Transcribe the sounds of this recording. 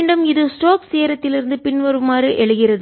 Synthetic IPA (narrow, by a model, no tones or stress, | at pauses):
ɳɖɯmɪðɯsʈoːkseːɾɐt̪ːɪlɪɾɯnd̪ɯpɪɳʋɐɾɯmaːrɯʔɛɻɯɣɪrɐðɯ